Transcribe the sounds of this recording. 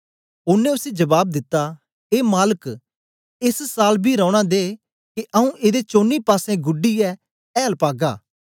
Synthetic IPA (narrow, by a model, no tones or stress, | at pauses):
ʊnẽʊsed͡ʒɐbaːb̚d̪ɪt̪ːa | eːmaːlək | ɪssaːlbʱiɾɔ̃ːʊɽ̃ad̪eː | keʔɐũʔeːd̪et͡ʃoːnːipaːsẽɡʊɖiɛ | ɛːlpaːɡaː